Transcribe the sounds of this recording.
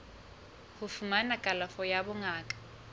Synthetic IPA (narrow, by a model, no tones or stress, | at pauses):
hʊfumanakʼalafɔjabʊŋaːkʼḁ